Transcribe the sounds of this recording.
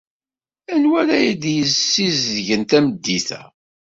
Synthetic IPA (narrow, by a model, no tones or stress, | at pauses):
ænwælæjid̪jəsːizðʝənt̪æməd̪ːiθæ̰